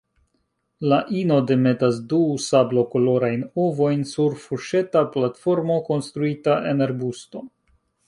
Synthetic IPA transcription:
laʔino̞de̞me̞tasdusablo̞ko̞lo̞ɾajnovo̞jnsuɾfuʃe̞taplatfo̞ɾmo̞ko̞nst̪ɾuitaʔe̞naɾbusto̞

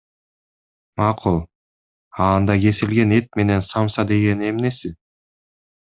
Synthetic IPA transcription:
mɑqʰulˠ | ɑnd̪ɑɡe̞silɡe̞ne̞t̪̚me̞ne̞nsɑmsɑd̪e̞ɡe̞ne̞mne̞sɪ

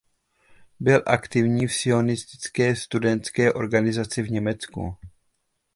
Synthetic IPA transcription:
bɪlʔakt̪ɪvɲiːfsɪo̞nɪst̪ɪ̥t͡skɛːst̪udɛnt̪skɛːʔoɾɡanɪzat͡sɪvɲɛmɛt͡skṵ

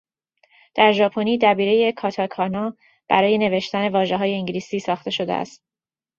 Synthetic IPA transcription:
d̪̥æɾʒɒːpʰo̞niːd̪æbiːɾeje̞kʰɒːt̪ʰɒkʰɒnɒː | b̥æɾɒːje̞ne̞ve̞ʃt̪æne̞vɒːʒe̞ɦɒːje̞iŋɟliːsiːsɒːxt̪e̞ʃo̞d̪eæ̰st̪̚

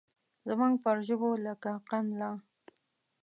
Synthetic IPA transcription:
zamaŋɡpəɾʒəboləkaqanlɑ

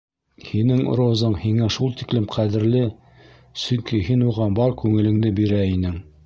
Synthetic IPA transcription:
hinɘŋ̰ɾozɤmhiŋæʃulˠt̪iklɘmqʰæðɘ̆ɾlɘ | sɵŋkihinuʁɑbɑɾkʉŋɘ̆lɘ̆ŋd̪ɘbiɾæinɘŋ

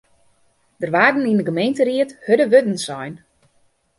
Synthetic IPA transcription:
d̥ərʋaːdn̩indəɡəmejntəriəthødəʋødn̩sɔjn

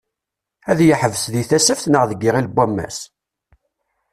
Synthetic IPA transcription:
æðjəħəvəsðiθæsəfθnəʁðəɡːiʁilbʷːæmːæ̰s

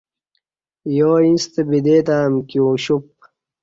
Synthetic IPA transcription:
joːĩst̪ebid̪eːt̪aːmkioːɕup̚

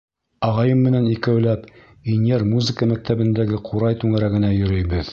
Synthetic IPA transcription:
ɑʁɑjɤmːɘ̆nænikæwlæp | injeɾmuzɘkəmæk̚t̪æβɘ̆nd̪æɡɘqʰuɾɑjt̪ʉŋæɾæɡɘ̆næjɵ̆ɾɵ̆jbɘð

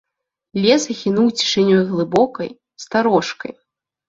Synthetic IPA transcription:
lʲɛsɐɣʲinuwt͡sʲi̥ʂɨnʲɔjɣlˠɨbɔkɐ̰j | st̪aɾɔʂkɐ̰j

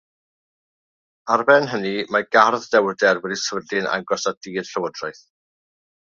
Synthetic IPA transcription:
arbɛnɦənimaɡarðdɛwdɛrwɛdiswədɪna̰ŋɡɔsadiːd̥ɬəwədrajθ

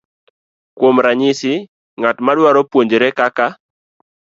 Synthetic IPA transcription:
kwomɾaɲɪsɪ | ŋatmadwaɾɔpwoɲd͡ʒɾɛkaka

